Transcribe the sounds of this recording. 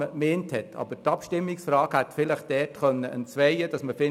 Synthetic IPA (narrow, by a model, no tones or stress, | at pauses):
əmɛːnthɛtʰɑ̰b̥əɾtɑpʃtɪmːɪksfɾɑːɡhæt̪fɪləχd̥ɛːtχœnːəʔənt͡sʋɛɪəd̥ɑsməfɪ